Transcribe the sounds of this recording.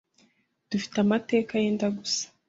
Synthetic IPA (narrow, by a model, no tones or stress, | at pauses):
d̥ufi̥tamate̞ːkajeːndaɡusḁ